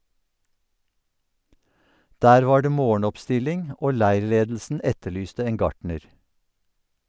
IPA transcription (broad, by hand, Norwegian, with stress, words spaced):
ˈdæːɾ ˈʋɑː ˈɖeː ˈmoːɳ̩ɔpˌstɪlɪŋ ˈoː ˈlæɪɹˌleːdl̩sn̩ ˈɛtəˌɭyːstə ˈeːŋ ˈɡɑʈɳəɾ